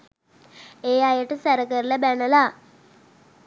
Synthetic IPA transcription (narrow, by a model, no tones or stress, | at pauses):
eːajəʈəsɛɾəkəɾlabɛnəla